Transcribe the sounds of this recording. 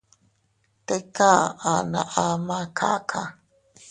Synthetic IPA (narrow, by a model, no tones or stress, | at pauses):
t̪ekaanaʔamakʰa̰kʰa̰